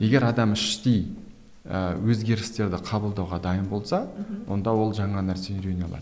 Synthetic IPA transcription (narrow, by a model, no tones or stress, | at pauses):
je̞ɡʲe̞ɾɑd̪ɑmɪʃt̪ej | əwɵzɡʲe̞ɾɪst̪e̞ɾd̪ɪqʰɑbəlˠd̪ɑwʁɑd̪ɑjəmbo̞lˠsɑwo̞nd̪ɑwo̞lˠʒɑɴɑnæɾsenɾʲenʲjalˠɑ̰ɾ